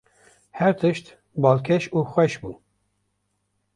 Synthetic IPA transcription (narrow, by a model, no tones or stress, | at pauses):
hɛɾt̪ʰɨʃt̪ | bɑːlkʰɛʃuːxwɛʃbṵ